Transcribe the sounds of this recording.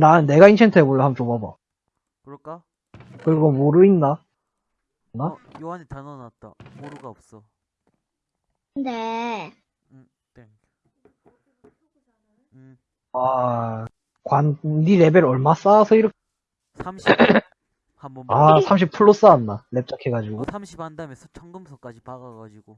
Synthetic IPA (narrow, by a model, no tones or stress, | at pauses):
nanne̞ɡaint͡ɕʰentʰɯeboɭːʌhamt͡ɕobaba̰ | k | kɯɾiɡomoɾɯinːa | nːa | ne | a | kwandiɾe̞beɾʌɭmas͈aːsʰʌiɾʌk | samɕ | aasʰamɕ̬ʰipʰuɭːos͈aːnːale̞p̚t͡ɕ͈akʰe̞ɡad͡ʑiɡomɕʰiphandamesʰʌt͡ɕʰʌŋɡɯmsʰʌk͈ad͡ʑipaɡaɡad͡ʑiɡo